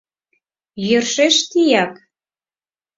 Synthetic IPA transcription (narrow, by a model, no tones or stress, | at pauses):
jørʃeʃt̪ijɑk